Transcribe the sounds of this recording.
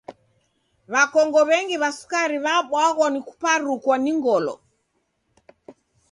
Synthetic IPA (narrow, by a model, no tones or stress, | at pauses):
βakɔŋɡɔβɛŋɡiβasu̥kaɾiβaɓwaɣɔniku̥paɾukwaniŋɡɔlɔ̰